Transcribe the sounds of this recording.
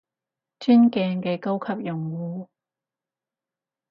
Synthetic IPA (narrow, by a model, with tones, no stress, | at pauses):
t͡ʃyː˥nkɛː˧ŋkɛː˧ko˥wkʰɐ˨p̚jʊ˨˩ŋwuː˨˧